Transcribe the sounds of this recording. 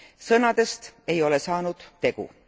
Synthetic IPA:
sɤnɑd̪̥e̞st̪e̞jo̞le̞sɑːnud̪̥ːe̞ɡ̥ṵ

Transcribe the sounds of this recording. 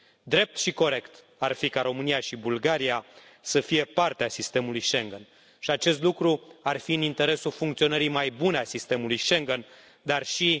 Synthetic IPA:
d̪ɾe̞p̚t̪ʃiko̞ɾe̞kt̪ | arfikaɾo̞mɨnijaʃibulɡaɾia | səfije̞part̪easist̪e̞mulujʃe̞ŋɡen | ʃiat͡ʃe̞st̪lukɾuarfiɨnint̪e̞ɾe̞sulfuŋkt̪sio̞nəɾimajbuneasist̪e̞mulujʃe̞ŋɡen | d̪arʃi

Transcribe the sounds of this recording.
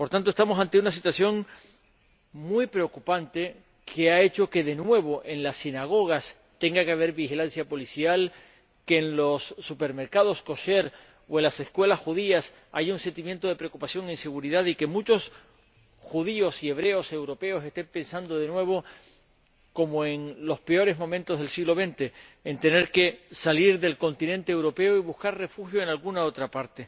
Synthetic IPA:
po̞ɾt̪ant̪oest̪amo̞sãnt̪e̞unas̬it̪waθjo̞ŋ | mujpɾe̞o̞kupant̪e̞ | kʰe̞ae̞t͡ʃo̞ke̞ðe̞nwe̞β̞o̞ʔe̞nlasinaɣ̞o̞ɣ̞as | t̪e̞ŋɡakeaβ̞e̞ɾβixilansjapo̞lisjal | ke̞ːnlo̞sːupe̞ɾme̞ɾkað̞o̞sko̞ʃe̞ɾ | oe̞nlase̞skwe̞lasxuðias | a̰ʝaunse̞nt̪imje̞nt̪o̞ð̞e̞pɾeokupasjo̞ŋense̞ɣ̞uɾiðaðike̞mut͡ʃo̞s | xuðio̞sie̞β̞ɾe̞o̞se̞wɾo̞pe̞o̞se̞st̪e̞mpensand̪o̞ð̞e̞nwe̞β̞o̞ | ko̞moeŋlo̞spe̞o̞ɾe̞zmõ̞mẽnt̪o̞zðelsiɣlo̞β̞ẽ̞nt̪e̞ːnt̪e̞ne̞ɾke̞saliɾðe̞lko̞nt̪inẽ̞nt̪eːwɾo̞pe̞oiβuhkaɾre̞fuxjoenalɣunao̞t̪ɾapaɾt̪e

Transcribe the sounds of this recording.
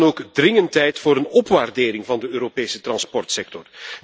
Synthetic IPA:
noːkdrɪŋəntɛjtfoːɾənɔpʋaːrdeːɾɪŋvɑndəøːɾopeːsətrɑnspɔrtsɛk̚tɔr

